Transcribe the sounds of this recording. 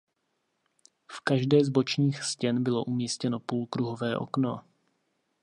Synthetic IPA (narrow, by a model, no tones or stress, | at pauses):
fkaʒdɛːzbo̞t͡ʃɲiːxscɛnbɪlo̞ʔumiːscɛno̞puːlkɾuɦo̞vɛːʔo̞̰kno